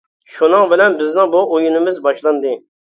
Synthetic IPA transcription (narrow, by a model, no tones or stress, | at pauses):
ʃunɨŋbɪlɛnbɪznɪŋbuʔojunɪmɪzbɑʃlˠɑnd̪ɨ